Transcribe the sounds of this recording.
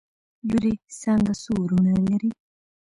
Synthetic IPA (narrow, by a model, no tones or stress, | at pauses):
juɾisaŋɡasuɾuneneɾi